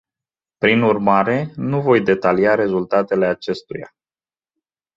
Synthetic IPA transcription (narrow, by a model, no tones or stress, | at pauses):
pɾinurmaɾe̞nuvo̞jd̪e̞t̪aliaɾe̞zult̪at̪e̞le̞at͡ʃe̞st̪uja̰